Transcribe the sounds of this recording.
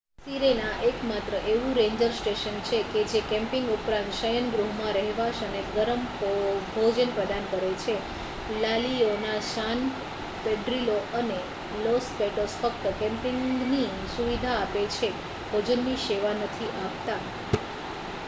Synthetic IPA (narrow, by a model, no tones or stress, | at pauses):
siɾenaʔekmat̪ɾəʔeʋũɾẽɲd͡ʒəɾsʈeʃənt͡ʃʰeked͡ʒekɛ̃mpɪŋɡupɾãnt̪ʃəjənɡɾuɦmãɾəɦɛʋaʃəneɡəɾəmbʱod͡ʒənpɾəd̪ankəɾet͡ʃʰe | lalionaʃan | peɖɾiloʔəne | lospeʈosfək̚t̪əkɛ̃mpɪŋni | suʋid̪ʱaːpet͡ʃʰe | b̥ʱod͡ʒənːiʃeʋanət̪ʰiʔapt̪a